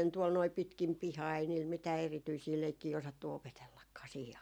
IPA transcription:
tuol noi pitkim pihɑː ei niːl mitæː erityisiː leikːiː osɑtːu opetelːɑkːɑː siːhi

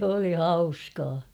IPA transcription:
oli hɑuskɑː

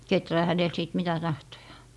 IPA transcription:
ketræː hænel siˑt mitæ tɑhtojɑ̥ː

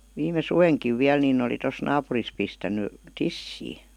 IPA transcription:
ʋiːme suʋeŋkiʋ ʋiæl ninˑ oli tos nɑːpuris pistænˑy tisːiː

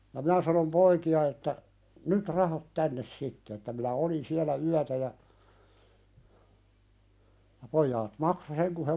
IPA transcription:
jɑ mĭnæ sɑnom poikiɑ etːæ nyt rɑhɑt tænːes sitːe etːæ minæ olin siælæ yætæ jɑ jɑ poijɑːt mɑkso seŋ ku he

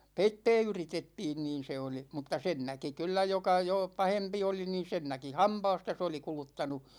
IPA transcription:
peitːɛː yritetːiːn niːn̞ se oli mutːɑ sen næki kylːæ jokɑ joˑ pɑhempi oli niːn̞ sen næki hɑmpɑːstɑ se oli kulutːɑnu

